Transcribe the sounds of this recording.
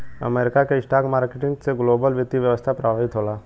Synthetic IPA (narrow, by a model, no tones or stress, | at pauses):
ə̰meːɾɪkakeɪsʈaːkmaːɾkeʈɪ̃ŋɡseɡloːbəlʋɪt̪iʋjəʋəst̪ʰapɾaaɦɪt̪ɦoːlaː